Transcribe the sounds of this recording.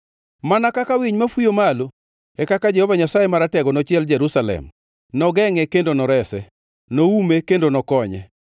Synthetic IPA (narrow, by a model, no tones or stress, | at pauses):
manakakawiɲmafwujomalo | ɛkakad͡ʒɛhɔvaɲasajemaɾatɛɡɔnɔt͡ʃɪɛld͡ʒɛɾusalɛ̰m | nɔɡɛŋɛkendonɔɾɛsɛ̰ | noumekendonɔkɔɲɛ̰